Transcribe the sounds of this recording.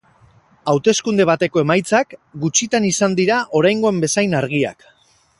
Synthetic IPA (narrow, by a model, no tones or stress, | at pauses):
awt̪e̞skund̪e̞β̞at̪e̞ko̞e̞majt͡sakɡut͡ʃit̪anisand̪iɾaʔo̞ɾajŋɡo̞e̞mbe̞sajnaɾɣ̞ia̰k